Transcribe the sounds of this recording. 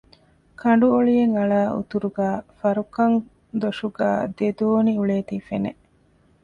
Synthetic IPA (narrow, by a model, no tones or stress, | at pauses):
kʰɐɳ̆ɖuoɭijeŋɐɭaːʔṵt̪uɾuɡæːfɐɾukɐŋ | d̪oʂuɡæ̰ːd̪ed̪oːniuɭeːt̪ifenḛ